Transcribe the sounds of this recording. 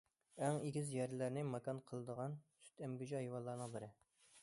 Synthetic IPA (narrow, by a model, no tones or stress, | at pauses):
æŋiɡʲizjɛɾlæɾnɪmɑkɑnqʰəlˠɨd̪əʁɑnsy̥t̪ʰɛmɡʲyd͡ʒiɑjiwɑlˠːɑːnɨŋbɪɾɪ